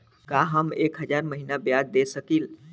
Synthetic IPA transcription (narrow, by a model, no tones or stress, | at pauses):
kaɦəmekɦəd͡ʒaɾməɦinabjad̪d̪esəkil